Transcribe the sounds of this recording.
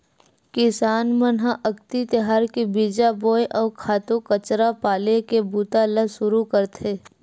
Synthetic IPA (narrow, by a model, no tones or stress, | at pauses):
kɪsaːnmənɦãʔɐkt̪it̪eɦaːɾkibiːd͡ʒaboːjʔɔːɾkʰaːt̪okət͡ʃɾapaːlekebuːt̪aləsʊɾukəɾt̪ʰeː